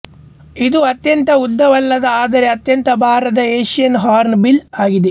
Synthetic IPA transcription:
id̪uɐt̪jɐnt̪ɐud̪ːɐʋɐlːɐd̪ɐaːd̪ɐɾe̞ɐt̪jɐnt̪ɐbʱaːɾɐd̪ɐeːʃijɐnɦaːɾnbilaːɡid̪e

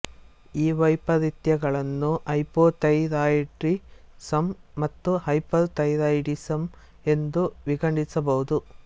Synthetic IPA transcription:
iːʋɐjpɐd̪it̪jɐɡɐɭɐnːuʔɐjpoːʈ̪ɐjɾaːjʈɾisɐmːɐt̪ːuhɐjpɐɾt̪ɐjɾaːjɖisɐm | e̞nd̪uʋiɡɐɳɖisɐbɐɦud̪u

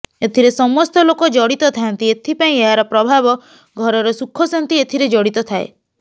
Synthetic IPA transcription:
et̪ʰiɾesɔmɔst̪ɔlokɔd͡ʒɔɽit̪ɔt̪ʰaant̪iet̪ʰipaĩeɦaɾɔpɾɔbʱabɔ | ɡʱɔɾɔɾɔsukʰːɔsɔnt̪iet̪ʰiɾed͡ʒɔɽit̪ɔt̪ʰaḛ

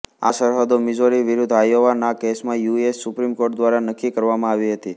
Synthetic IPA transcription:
asəɾɦad̪omɪd͡ʒoɾiʋɪɾʊd̪ʱajoʋanakesmãjuiesːʊpɾimkoɾʈd̪ʋaɾanəkːikəɾʋamãaʋiɦət̪i

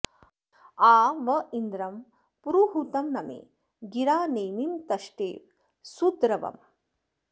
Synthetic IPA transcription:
aːʋɐind̪ɾɐm | puɾuɦut̪ɐmnɐmḛː | ɡiɾaːneːmimt̪ɐʃʈḛː | sud̪ɾɐʋɐ̰m

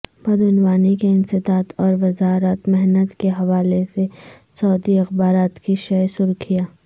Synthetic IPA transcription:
bɐd̪ʊnʋaːnikeɪnsɪd̪aːt̪ɔːɾʋɐzaːɾət̪mɛɦnət̪keɦɐʋaːlese | sɔːd̪iɐxbaːɾaːt̪kiʃɛsʊɾkʰijaː

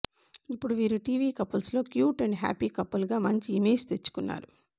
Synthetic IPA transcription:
ipːuɽuʋiːɾuʈiːʋiːkɐpːɐlslo̞ːkjuːʈɐɳɖɦæ̰ːpiːkɐpːɐlɡaːmɐɲt͡ʃiːmeːd͡ʒt̪e̞t͡ʃːu̥kunːa̰ːɾu

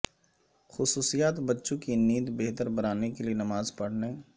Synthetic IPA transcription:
xʊsuːsijaːt̪bɐtːʃõkiniːd̪beɦt̪əɾbɐɾaːnekelienɐmaːzpɐɽ̤ne

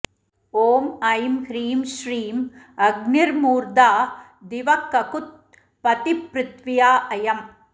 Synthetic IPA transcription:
oːmɐjmhɾiːmʃɾiːm | ɐɡniɾmuːɾd̪aː | d̪ɪʋɐkːɐkʊt̪̚ | pɐt̪ipɾɪt̪ʋɪjaːʔɐjɐm

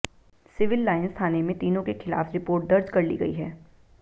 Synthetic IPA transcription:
sɪʋɪlːaːɪnst̪ʰaːnemẽt̪iːnõkexɪla̰ːfɾɪpoːɾʈ̚d̪ɐɾd͡ʒkɐɾlḭɡɐ̰ḭɦɛː

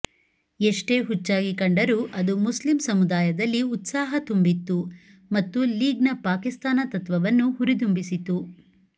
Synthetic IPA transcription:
eʂʈe̞ːɦut͡ʃːaːɡikɐɳɖɐɾuːʔɐd̪umuslimsɐmud̪aːjɐd̪ɐlːiut̪saːɦɐt̪umbit̪ːu | mɐt̪ːuliːɡnɐpaːkist̪aːnɐt̪ɐt̪ʋɐʋɐnːuɦuɾid̪umbisit̪u

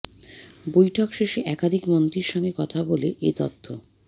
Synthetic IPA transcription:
bojʈʰɔkʃeʃeʔɛkad̪ʱikmont̪ɾiɾʃɔŋɡekɔt̪ʰaboleʔet̪ot̪ʰːo

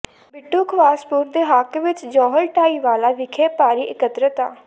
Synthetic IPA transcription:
bɪʈːuːkʰʋaːspʊɾd̪eːɦakʋɪt͡ʃd͡ʒɔːɦəlʈaːiːʋaːlaːʋɪkʰeːpaːɾiːʔɪkət̪ɾət̪a̰ː

